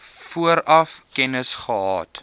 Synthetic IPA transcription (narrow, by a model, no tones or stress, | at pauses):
fuəɾɐfkɛnəsχəɦɑ̰ːt